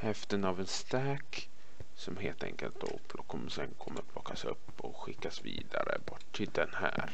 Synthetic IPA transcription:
hɛft̪ənavɛnst̪ɛːk | sɔmɦeːlt̪ʰɛ̰ŋkə̰lt̪̚d̪oːpʰlɔkʰɔmːəsɛnkʰɔmːat̪ʰlɔːkasɵpːɔɧɪkːasviːd̪aɾəbɔʈːʰ | ɪld̪ɛnhæːɾ

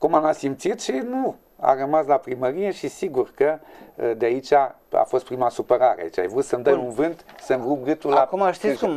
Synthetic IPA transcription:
kumamasimp̚t̪sit̪ʃinu | a̰rəmaslapɾiməɾijeʃisiɡuɾkəd̪eait͡ʃa | a̰fost̪̚pɾimasupeɾaɾḛa̰it͡ʃa̰jvɾut̪səmd̪ɐjũnvɨnt̪səmɡɾup̚ɡɨt̪ullakumaʃt̪i

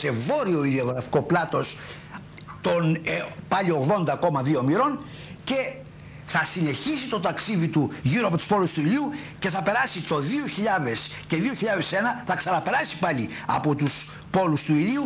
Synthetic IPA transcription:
se̞vo̞ɾio̞iðioɣɾɐfi̥ko̞plɐt̪o̞s | t̪o̞npɐʎio̞ɣðo̞nd̪ɐko̞mɐðio̞miɾo̞n | ce̞ | θɐsine̞çisit̪o̞t̪ɐksiðit̪uʝiɾoɐpo̞t̪u̥spo̞lust̪uiʎiuce̞θɐpe̞ɾɐsit̪o̞ðioçiʎɐðesceðioçiʎɐðese̞nɐθɐksɐnɐpe̞ɾɐsi̥pɐʎiɐ̰po̞t̪us | po̞lust̪uiʎiu

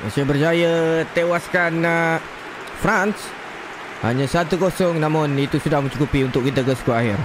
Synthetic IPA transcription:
a̰sajəbərd͡ʒajət̪ewaskan | fɾans | ha̰ɲasat̪ukosɔŋnamʊnit̪usudahməɲt͡ʃukupiunt̪ʊkːit̪əkəskuaɦɪr

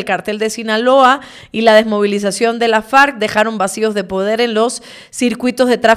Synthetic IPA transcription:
lkaɾt̪e̞ld̪e̞sinalo̞a | ilað̞e̞zmo̞β̞ilis̬asjo̞nd̪e̞lafaɾk̚d̪e̞xaɾo̞mbasio̞zðe̞po̞ð̞e̞ɾe̞nlo̞sː | iɾkwit̪o̞zðe̞t̪ɾa

